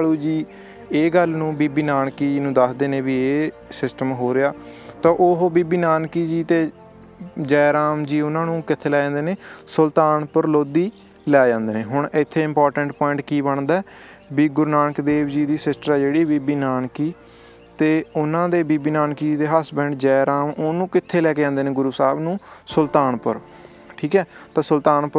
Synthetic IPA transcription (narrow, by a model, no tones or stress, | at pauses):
luːd͡ʒiː | eːɡəlnũːbiːbiːnaːnkiːd͡ʒnũːd̪əsd̪eːnẽːbiːeːsɪsʈəmɦoːɾɪaːt̪ãːʔoɦobiːbiːnaːnkiːd͡ʒiːt̪eː | d͡ʒɛːɾaːmd͡ʒiːʊnãːnũːkɪt̪ʰːeːlɛːd͡ʒãːnd̪eːneːsəlt̪aːnpəɾloːd̪iː | lɛːd͡ʒãːnd̪eːnẽːɦʊɳʔɪt̪ʰːeːɪ̃mpɔːɾʈəɳʈpɔːɪ̃ɳʈkiːbəɳd̪aːɛː | biːɡʊɾnaːnəkd̪eːʋd͡ʒiːd̪iːsɪsʈɾaːd͡ʒeːɽiːbiːbiːnaːnkiː | t̪eːʊnãːd̪eːbiːbiːnaːnkiːd͡ʒiːt̪eːɦasbɛ̃ːɳɖd͡ʒɛːɾaːmoːnũːkɪt̪ʰːeːlɛːked͡ʒãːnd̪eːnẽːɡʊɾuːsaːbnũːsəlt̪aːnpə̰ɾ | ʈʰiːkɛːt̪ãːsəlt̪aːnpə